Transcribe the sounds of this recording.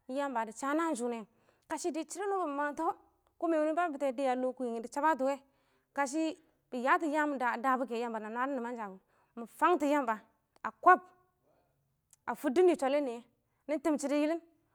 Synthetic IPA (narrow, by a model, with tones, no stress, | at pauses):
ja˦mba˨di˨t͡ʃa˦na˦n˦d͡ʒu˨ne˨ | ka˨ʃi˦di˨t͡ʃi˦ɾi˦no˦bu˨ma˨nto˦ | ku˦me˨wu˦ni˦ba˦bi˨te˨˦di˦ja˨lo˦ku˦ji˨ŋi˨di˨t͡ʃa˦ba˦t̬u˨we˦ | ka˨ʃ̬i˦ | b̥i˨ja˦ti˨ja˦m˨a˨da˨bu˦ke˨ja˦mba˨na˨na˦ɾi˦ni˨ma˦nd͡ʒa˨ɡu˨ | mə˨fa˦ŋti˨ja˦mba˨ | a˨kʷo˦˨b̚ | a˨fu˦di˦ni˨t͡ʃʷa˨le˦ni˨je˦ | ni˦n˦te˦mt͡ʃi˦ɾi˦ji˦li˦n